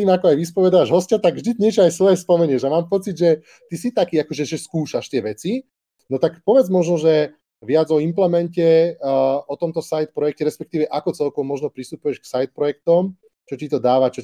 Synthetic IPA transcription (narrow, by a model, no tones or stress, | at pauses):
iːmakɔajʋispɔʋɛd̪aːʒɦɔscat̪aɡvʒd̪icɲɪɛt͡ʃɔajsʋɔjɛspɔmɛɲɪɛʒamaːmpɔt͡sid̪ʒɛ | t̪isit̪akiːakɔʒɛʒɛskuːʃaʃt̪ɪɛʋɛt͡si | nɔt̪akpɔʋɛd͡zmɔʒnɔʒɛ | ʋɪad͡zɔimplɛmɛncɛ | ɔt̪ɔmt̪ɔsajt̪̚pɾɔjɛk̚cɛɾɛspɛk̚t̪iːʋɛʔakɔt͡sɛlkɔʋɔmɔʒnɔpɾist̪upujɛʃksajt̪̚pɾɔjɛk̚t̪ɔm | t͡ʃɔcit̪ɔd̪aːʋat͡ʃɔ